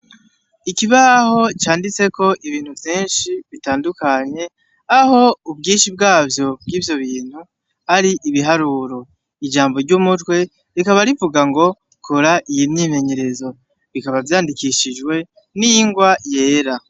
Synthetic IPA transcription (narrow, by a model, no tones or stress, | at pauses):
ikiβaho̞t͡ʃaːndit͡se̞ko̞ʔiβiːn̥huvjiːnʃiβitaːndukaɲe̞ | aho̞ub̚ɡiːnʃibɡaːvjo̞bɡiːvjo̞βiːn̥hu | haɾiʔiβiɦaɾuɾo̞ | id͡ʒaːmbo̞ɾɟumutwe̞ | ɾikaβaɾivuɡaŋɡo̞ | kʰoɾaʔijimɲime̞ɲe̞ɾe̞zo̞ | βikaβavjaːndikiʃiʒɡwe̞ | nijiŋɡwaje̞ːɾa